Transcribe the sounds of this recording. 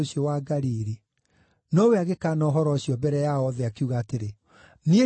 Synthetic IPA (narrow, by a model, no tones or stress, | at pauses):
oɕiɔwaɡaɾiɾi | nɔweaɣekaːnɔːɦɔɾɔɕiɔbɛɾɛjaɔðɛakeuɣaːteɾe | nie